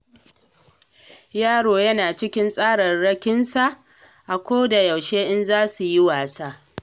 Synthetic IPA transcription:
jaː˦ɽoː˨jɐ˦naː˨t͡ʃɪ˦kʲɪ˦nsʼaː˦ɽɐ˨rɽɐ˦kʲɪ˦nsa˨ʔ | ʔa˨kʷoː˦da˨jɐ˨wʃeː˦ʔɪ˦nzaː˦su˨ji˦waː˨sa˦ʔ

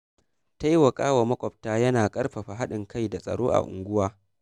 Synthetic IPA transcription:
ta˦ji˦wɐ˨kʼaː˦wa˨mɐ˦kʷʼɔ˨p̚taː˦jɐ˦naː˨kʼɐ˦rɸɐ˨ɸa˨ɦa˦ɗɪ˨ŋka˦jda˨sʼɐ̰˨ɽoː˦ʔa̰˨ʔʊ̰˨ŋɡʷʊ˦waː˦

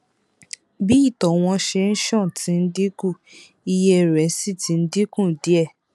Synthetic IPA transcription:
bi˦i˦˨tɔ˨w̃ɔ̃˧ʃe˧n̩˦ʃɔ̃˦˨ti˨˦n̩˦di˦kũ˦˨ | i˧jɛ˧ɾɛ˨˦si˦˨ti˨˦n̩˦di˦kũ˦˨di˨˦ɛ˦˨

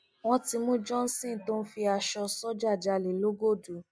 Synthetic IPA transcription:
w̃ɔ̃˧˦ti˧mũ˦d͡ʒɔ̃˦n̩˦sĩ˦˨to˦n̩˦fi˧a˧ʃɔ˧sɔ˦d͡ʒa˦˨d͡ʒa˧˨le˨lo˦ɡo˦˨du˨˦

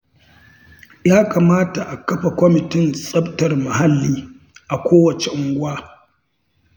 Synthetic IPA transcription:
jaː˦kaː˨maː˦ta˨ʔa˨kɐ˦ɸa˨kʷɔ˦mɪ˨tɪ˦nsʼɐ˦btɐ˨rma˨ɦa˦lːiː˦ | ʔa˨kʷʰoː˦wɐ˨t͡ʃe˨ʔʊ˨ŋɡʷʊ˦waː˦

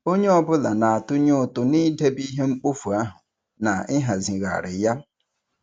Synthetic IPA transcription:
o˦ɲe˦ɔ˦˨bʊ˦la˨nã˨a˨tʊ˦ɲʊ˦˨tʊ˨nɪ̃˦de˦bi˦ɦe˦ŋ͡m̩˦k͡po˦fu˨a˦ɦʊ̃˨ | nã˨ɪ˦ɦa˨zĩ˨ɣa̰˨ɾɪ˨ja˦

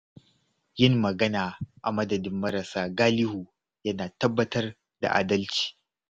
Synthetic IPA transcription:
jɪ˦mːɐ˨ɡɐ˦naː˨ʔa˨mɐ˦dɐ˨dɪ˦mːɐ˦ɾɐ˨saː˦ɡaː˦lɪ˦huː˨ | jɐ˦naː˨tɐ˦bːɐ˦tɐ˦r | da̰˨ʔa̰ː˨dɐ˦lt͡ʃi̥ː˨

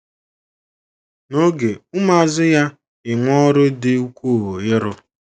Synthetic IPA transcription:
no˦ɡe˨ʊ˦ma˦˨zɪ˦ja˦ | ɪ˨ŋʷɔ˦ɾʊ˦dɪ˦u˦kʷu˦˨wo˨jɪ˦ɾʊ˦

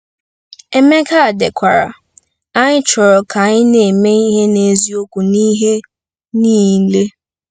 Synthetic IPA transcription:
ɛ˨mɛ˦kʰa˦˨dɛ˨kʰʷa˨ɾa̰˨ | a˦ɲɪ˦t͡ʃɔ˨ɾɔ˨kʰa˨ɲɪ˦ne˨mẽ˦i˦ɦe˦ne˨zi˦o˦ku˨nĩː˦ɦe˦ | nĩː˦˨˦le˦

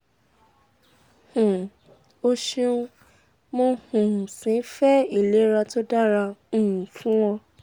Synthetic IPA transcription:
hũ˨ | o˧ʃĩ˦˧ũ˦ | mo˧˦hũ˨sĩ˨˦fɛ˦i˦˨le˨˦ɾa˧to˦da˦ɾã˧˨ũ˨fũ˦wɔ̃˧

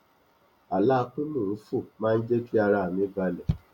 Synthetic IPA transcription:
a˨la˦˧ku˦nũ˦˨u˦fu˦˨mãː˦˧n̩˦d͡ʒe˦ti˦a˧ɾa˧˨a˨mĩ˨˦ba˧lɛ˨

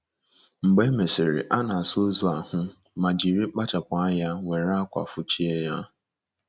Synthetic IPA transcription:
ŋ͡m̩˨ɡ͡be˦me˨sɪ˨ɾɪ̰˨ʔa˦na˨a˨so˦zu˨a˨hʊ˦ | ma˨d͡ʒi˨ɾi˦k͡pa˦ta˨kʷa˨a˦ja˦we˨ɾa˦a˦kʷa̰˨fʊ˦t͡ʃi˦e˦ja˦

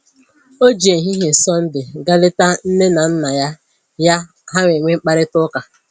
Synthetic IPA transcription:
o˦d͡ʒe˨ɦi˦ɦe˨sɔ˦n̩˦dɪ˨ɡa˦lɪ˦ta˦n̩˦ne˦na˨n̩˦na˨ja˦ | ja˦ | ɦa˦ŋʷe˨ŋʷe˦ŋ͡m̩˦k͡pa˦ɾɪ˦tʊ˦ka˨

